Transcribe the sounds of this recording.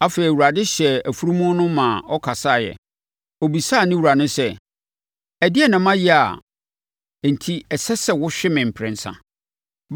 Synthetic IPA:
a˦feː˨i˨wu˨ɾa˨dɪ˦ɕɛ˨æ˨fu˦ɾu˦mũ˦nʊ̃˦mã˨ɔ˦kʰa˨sa˦˨jɛ̰˨ | ɔ˨bi˨sa˦˨nɪ̃˦wu˨ɾa˨nʊ̃˦sɛ˦˨ | ɛ˨dɪ˦ɛ˦˨nã˨mã˦jɪ˦a̰˨ | n̩˨tʰi˦ɛ˨sɛ˦sɛ˨wʊ˦ɕᶣɪ˦mɪ̃˨m̩˨pʰɾɪ̃˨n̩˨sã̰˦

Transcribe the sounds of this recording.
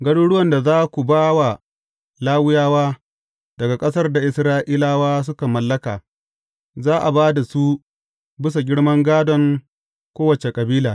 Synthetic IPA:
ɡɐ˦ɽuː˦ɽʊ˦wɐ˨nda˨zaː˦kʷu˨baː˦wa˨ | laː˦wʊ˦jaː˦waː˦ | d̥ɐ˨ɡa˨kʼɐ˦sɐ˦rda˨ʔɪ˨sɾaː˦ʔiː˦laː˦waː˦s̬ʊ˦ka˨mɐ˨lːɐ˦ka̰ː˨ | zaː˦ʔa˨baː˦da˨su˦ | bɪ˦s̬a˨ɡʲɪ˦ɽmɐ˦ŋɡaː˦dɔ˨ŋ | kʷoː˦wɐ˨t͡ʃe˨kʼɐ˨biː˦laː˨

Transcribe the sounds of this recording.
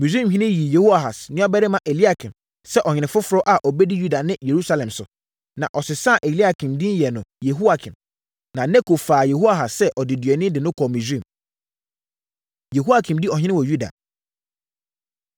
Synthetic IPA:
mi˨sĩ˦mhĩ˦nɪ̃˦ji˨je˨hu˦a˨ɦa˨snɪ̃˦bɛ˦ɾɪ˦mã˦ʔe˨li˦a˨kʰɪ̃˨m | sɛ˦ʔɔ˨ɲ˨nɪ̃˨fʊ˦fʊ˨ɾɔ˦ʔa˨ʔɔ˨bɛ˦di˦ju˦da˨nɪ̃˦je˨ɾu˦sa˦lɛ̃˨msʊ̰˨ | nã˨ʔɔ˨sɪ˨sã˦˨ʔe˨li˦a˨kʰĩ˨mdɪ̃˦n˦jɛ˨nʊ̃˨je˨ɦu˦a˨kʰɪ̃˨m | nã˨nɛ̃˦kʰo˨faː˨je˨ɦu˦a˨ɦa˨ssɛ˦ʔɔ˨dɪ˨dɥɛ˨nɪ̃˦dɪ˨nʊ̃˦kʰɔ˨mĩ˨sĩ˦˨m | je˨ɦu˦a˦kʰĩ˨mdi˦ɔ˨hɪ̃˦nɪ̃˦wɔ˨ju˦da̰˨

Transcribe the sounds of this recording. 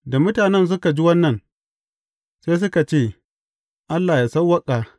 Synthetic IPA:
da˨mʊ˦taː˨nɛ˦ns̬ʊ˦ka˨d͡ʒi˦wɐ˦nːɐ˨n | seː˦s̬ʊ˦ka˨t͡ʃeː˦˨ | ʔa˦lːaː˨jaː˨sɐ˦wɐ˦kʼaː˨

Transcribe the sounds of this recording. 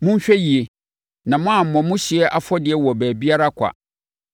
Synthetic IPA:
mʊ̃˦ɲ̩˦ɕᶣɛ˦ji˨e˨ | nã˨mʊ̃˦a˨m̩˨mɔ̃˨mʊ̃˦ɕi˨ɛ˦ʔa˨fɔ˦dɪ˨ɛ˦wɔ˨bæː˨bi˦a˦ɾa˦kʷʰa̰˨

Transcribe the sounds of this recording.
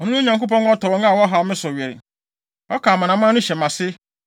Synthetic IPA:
ɔ˨nũ˦ũ˦ɲã˨ŋko˦pɔ̃˦n˦ɔ˦tɔ˨ɾɔ˦ŋa˦˨wɔ˦ɦa˨˦mɪ̃˦sʊ˨ɥɛ˨ɾɪ̰˨ | ɔ˦kaː˨mã˨nã˨mãː˦nʊ̃˦ɕɛ˨mã˨sɪ˦

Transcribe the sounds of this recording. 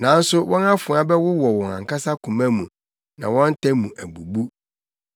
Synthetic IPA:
nã˨˦n̩˦sʊ˦wɔ̃˦nã˦fʊ˨˦a˦bɛ˦wʊ˦wɔ˨wɔ̃˨ŋã̰˨ka˦sa˦kʰũ˨mæ̃˦mũ˨ | nã˨wɔ̃˦n̩˦tʰɛ˦mũ˨ʔæ˨ɡ͡bu˨bu˦

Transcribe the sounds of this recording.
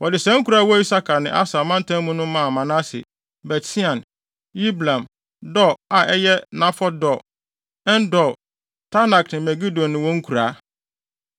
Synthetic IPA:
wɔ˨dɪ˨sɛ̃˦ŋ̩˦kʰu˨ɾa˦wɔ˦i˦sa˦kʰa˨nɪ̃˨ʔa̰˦sa˨mã˦n˦tʰã˦mũ˦nʊ̃˦mã˦˨mã˨nã˦sɪ̰˨ | bɛ˨tʰi˦ã˨n | ji˦blã˨m | dɔ˦˨a˨ʔɛ˦jɛ˦nã˦fɔ˦dɔ˨ | ɛ˦ndɔ˨ | tʰa˦na˨knɪ̃˨mɛ˨ɡi˦dõ˨nːɪ̃˨wɔ̃˦ŋ̩˦kʰu˨ɾaː˨˦

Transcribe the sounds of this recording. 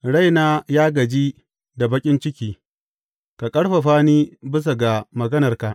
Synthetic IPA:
ɽa˦˨jnaː˦jaː˦ɡɐ˨d͡ʒiː˦ | da˨bɐ˦kʲʼɪ˦nt͡ʃɪ˦kʲiː˦˨ | ka˨kʼɐ˦ɽɸa˨ɸaː˦niː˦bɪ˦s̬a˨ɡa˨mɐ˨ɡɐ˦nɐ˨rka˨ʔ

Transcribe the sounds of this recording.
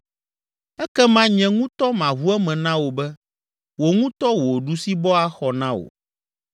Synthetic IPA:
ɛ˦kɛ˦mã˦ɲɛ̃˨ŋũ˦t̪ɔ˦mã˨βu˦ɛ˦mɛ̃˨nã˦wo˨bɛ˦ | wo˨ŋũ˦t̪ɔ˦wo˨ɖu˦si˦bɔ˦a˦xɔ˨nã˦wo̰˨

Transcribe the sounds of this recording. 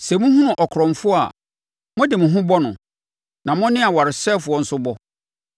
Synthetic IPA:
sɛ˨mʊ̃˦hʊ̃˦nʊ̃˨ʔɔ˨kʰɾɔ̃˨m˨fʊ˦a̰˨ | mʊ̃˦dɪ˨mʊ̃˨ɦʊ̃˦bɔ˦nʊ̃˨ | nã˨mʊ̃˦nɪ̃˦a˨wa˨ɾɪ˨sɛː˦fʊ˨˦ɔ˨n̩˦sʊ˦bɔ˦

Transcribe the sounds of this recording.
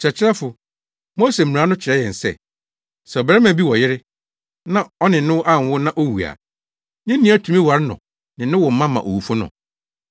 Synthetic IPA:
t͡ɕɾɛ˨t͡ɕʰɪ˦ɾɛ˦fʊ˨ | mo˦se˨m̩̃˨a˨˦nʊ̃˦t͡ɕʰɪ˨ɾɛ˦jɛ̃˨n̩˨sɛ̰˦˨ | sɛ˨ɔ˨bɛ˨ɛ˦mã˨bi˦wɔ˨jɪ˦ɾɪ˦ | nã˦ɔ˦nɪ̃˨˦nʊ̃˦wʔa˦˨n˨wʊ˦nã˦ʔo˦wu˨a̰˨ | nɪ̃ː˦ĩ˦a˦tʰu˨mĩ˦wa˨ɾɪ˦nʊ̰̃˨ | nɪ̃˨nʊ̃˦wɔ˨m̩˦mã˦mã̰˨ʔo˨wu˨fʊ˦nʊ̰̃˨

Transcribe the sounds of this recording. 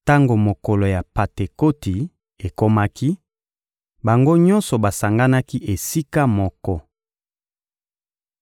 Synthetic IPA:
ta˦ŋɡo˨mo˨ko˨lo˨ja˨pa˨te˨ko˦ti˨ | e˨ko˦ma˦ki˦ | ba˨ŋɡo˦ɲɔ˦nsɔ˨ba˨sa˨ŋɡa˦na˦ki˦ʔe˨si˦ka˦mɔ˦kɔ˦

